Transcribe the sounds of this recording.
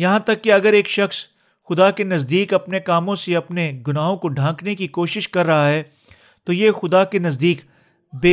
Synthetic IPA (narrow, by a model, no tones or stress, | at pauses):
jɐɦãt̪ɐkːeɐɡəɾeːkʃɐxs | xʊd̪akenɐzd̪iːkɐpnekaːmõseɐpneɡʊnaːɦõkoɖʱãːknekikoːʃɪʃkɐɾːɐɦaɦɛː | t̪ojexʊd̪akenɐzd̪iːk | beː